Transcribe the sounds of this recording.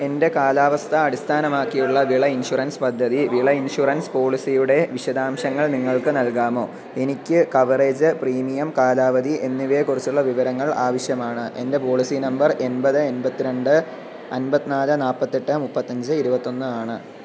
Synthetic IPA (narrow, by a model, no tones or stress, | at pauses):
e̞nde̞kaːlaːʋɐst̪ʰɐːɽist̪ʰaːnɐmaːkːijuɭːɐʋiɭɐinɕurɐnspɐd̪ʱːɐðiʋiɭɐinɕurɐnspo̞ːɭisijuɽe̞ʋiɕɐd̪aːmɕɐŋːɐɭniŋːɐɭkɨnɐlkaːmo̞ː | e̞nikʲːɨkɐʋɐre̞ːd͡ʑɨpriːmijɐmkaːlaːʋɐðiʔe̞nːiʋe̞ːkurit͡ɕːuɭːɐʋiʋɐɾɐŋːɐɭaːʋɐɕjɐmaːɳɨʔe̞̰nde̞po̞ːɭisinɐmbɐre̞nbɐðɨe̞nbɐt̪ːiɾe̞ɳɖɨ | ɐnbɐt̪ːinaːlɨnaːpːɐt̪ːeʈːɨmupːɐt̪ːɐɲd͡ʑɨiɾubɐt̪ːo̞nːɨaːɳɨ